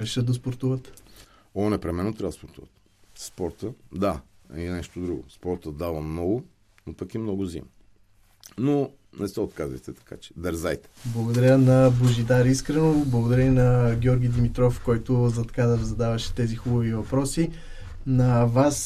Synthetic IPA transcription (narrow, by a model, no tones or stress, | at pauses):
ɾɛʃət̪d̪d̪ɐspoɾt̪uvət̪ | ɔnɛpɾɛmɛnːot̪ɾʲad̪spoɾt̪uvə̰t̪ | spɔɾt̪əd̪a | inɛʃt̪od̪ɾuɡʊ̰spɔɾt̪əd̪avəmnɔɡʊ | nopəkimnɔɡʊzḭm | no | nɛsɛot̪kazvɐ̰jt̪ɛt̪ɐ̥ka̰t͡ʃɛ̥d̪ɛɾza̰jt̪ɛ̥blˠɐɡod̪ɐɾʲənɐboʒid̪aɾiskɾɛnoblˠəɡod̪ɐɾʲəinɐɡʲjɔɾɡʲijd̪imit̪ɾɔfkɔjt̪ʊzɐt̪ɐ̥kad̪ɐvzɐd̪avɐʃɛ̥t̪ɛzixubəvivɐpɾɔsi | nɐvas